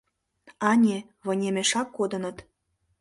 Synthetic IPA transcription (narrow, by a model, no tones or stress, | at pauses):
ɑnʲe | βɤ̆nʲemeʃɑkːod̪ə̆nə̆t̪